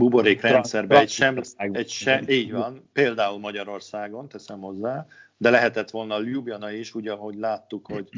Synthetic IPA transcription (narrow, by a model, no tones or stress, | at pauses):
buboɾeːkrɛnsɛrbɛɛcʃɛmɛʃɛiːɟʋɒnpeːld̪aːulmɒɟɒɾo̞rsaːɡo̞nt̪ɛsɛmho̞zːaː | d̪ɛlɛɦɛt̪ɛt̪ʋo̞lnɒlubjɒnɒeʃuːɟɒɦo̞ɟlaːt̪ːukho̞ɟ